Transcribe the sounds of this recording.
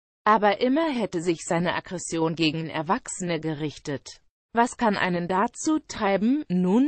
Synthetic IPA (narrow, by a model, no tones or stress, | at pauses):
ʔaːbɐʔɪmɐɦɛtəzɪçz̥aɪnəʔaɡʁɛsjoːnɡeːɡŋ̩ʔɛ̰ɐvaksənəɡəʁɪçtət | vaskʰanʔa̰ɪnəndat͡suːtʁ̥aɪbm̩nuːn